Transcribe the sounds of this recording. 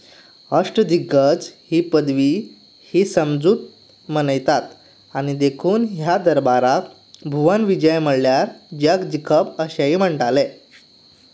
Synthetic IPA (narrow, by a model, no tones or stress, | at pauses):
əʂʈəd̪iɡət͡shiːpəd̪ʋiː | hiːsəmd͡zuːt̪̚ | mənəjt̪at̪ | añid̪ekʰuːnɦjad̪əɾbaɾak | bʱuʋanʋid͡ʑəjməɽljaɾd͡ʑjakd̪ikʰəpəɕaim̤əɳʈale